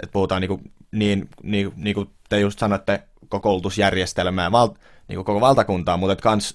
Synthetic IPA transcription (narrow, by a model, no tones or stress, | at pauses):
et̪̚puhut̪ɑːniːkuniːnniːniːku | t̪ejust̪sɑnoet̪ːæ | kokoult̪usjærjest̪elmæːʋɑlt̪ | nḭːkukokoʋɑlt̪ɑkunt̪ɑːmuːt̪et̪kɑns